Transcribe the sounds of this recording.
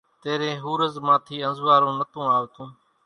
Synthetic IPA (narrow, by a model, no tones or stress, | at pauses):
t̪eːɾẽːɦuːɾəzmãːt̪ʰiːənzʋaːɾõːnət̪õːaːʋt̪ũː